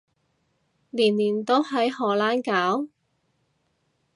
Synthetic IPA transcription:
liː˨˩nliː˨˩nt̪o˥whɐ˨˥jhɔː˨˩laː˥nkaː˨˥w

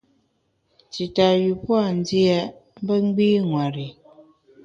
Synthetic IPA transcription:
ti˨ta˨ɥi˨pwa˦˨n˦di˦a˦m̩˦bə˦ŋ̩˦ɡ͡biː˦ŋwa˨ɾi˨

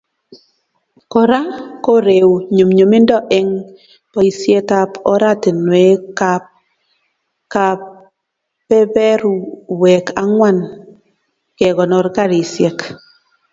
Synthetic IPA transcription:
kɔ˨ɾa˦ko˦ɾe˨wɲu˨mɲo˨mi˦ndɔ˦ʔɛ˦ŋ | pɔ˦i˨sje˦ta˦pɔ˦ɾa˦te˨nwe˨˦ka | ka˨ | pɛ˦bɛ˦ɾwɛ˨ka˦ŋwa˦˨n | ke˨ɡɔ˨nɔ˨ɾka˦ɾi˨sjɛ˨k

